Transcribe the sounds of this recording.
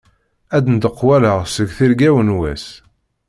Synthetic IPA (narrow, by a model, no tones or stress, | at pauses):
æd̪ənt̪əqːwæləʁsəɡθiɾɡæwənwæ̰s